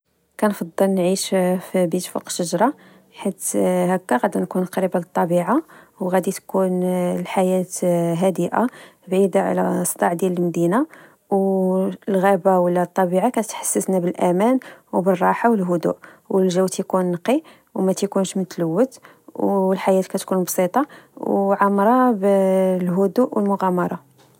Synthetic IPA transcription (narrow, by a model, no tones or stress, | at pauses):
kænfɑd̪ˤːəlnʕiʃfbit̪fṵqʃəʒɾˤɑ | ħit̪hækːæɣæd̪əɾnkunqɾəbalət̪ˤːɑbiʕa | wɣæd̪it̪kunlħajæt̪ɦæd̪əʔa̰bʕid̪aʕ̰læ̰sˤt̪ˤɑʕd̪jæləlmd̪ina | w | lɣæbawəlːæt̪ˤːɑbiʕakæət̪ħḁsːəsnæbəlʔæmænwbərˤːɑħawəlɦʊd̪ṵʔwəlʒəwt̪jkunːqːi | wmæt̪jkunʃmət̪ləwːət̪ | wlħajæt̪kæt̪kunbsˤit̪ˤɑwʕamɾˤɑblɦʊd̪uʔwəlmʊɣæmɑɾˤɑ